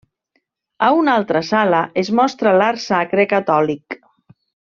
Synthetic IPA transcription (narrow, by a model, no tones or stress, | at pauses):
aunalˠt̪ɾəsaləʔezmɔst̪ɾalaɾsakɾekat̪ɔlik